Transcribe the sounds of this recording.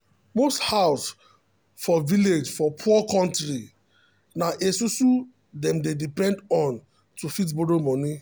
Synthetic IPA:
mosthaʊs | fɔviled͡ʒfɔpʰuɔkɔ̃ntɾi | naʔesusu | dɛ̃mdedipɛ̃ndɔ̃n | tufit̬boɾomɔ̃ni

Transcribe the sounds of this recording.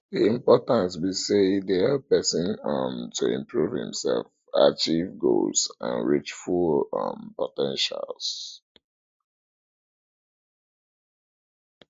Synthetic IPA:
ðiĩmpɔtãntbisedeɛpɛsĩnʌmtʰuɪ̰̃mpʰɹuv̥hḭ̃msɛ̰lf | at͡ʃivɡo̰lsã̰nɹit͡ʃfulʌmpɔtɛ̃nʃa̰lˠs

